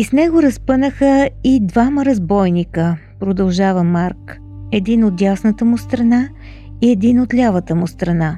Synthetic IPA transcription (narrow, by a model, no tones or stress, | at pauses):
isnɛɡoɾɐspɤnəxəid̪vaməɾɐzbɔjnikəpɾod̪ɐlˠʒavəmaɾk | ɛd̪inot̪jasnət̪əmʊst̪ɾɐna | iɛd̪inot̪lʲavət̪əmʊst̪ɾɐna